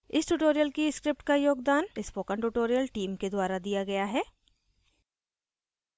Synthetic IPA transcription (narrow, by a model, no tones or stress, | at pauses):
ɪsʈuːʈoːɾijəlkiskɾɪp̚ʈkajoːɡd̪aːnɪspoːkə̃ɳʈuʈoːɾijəlʈiːmked̪waːɾad̪ijaɡɐjaɦɛː